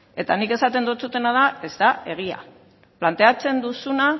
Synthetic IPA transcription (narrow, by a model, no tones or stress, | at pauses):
e̞t̪anike̞sat̪e̞nd̪ot͡sut̪e̞nað̞ae̞zt̪ae̞ɣ̞ia̰ | plant̪e̞at͡se̞nd̪usuna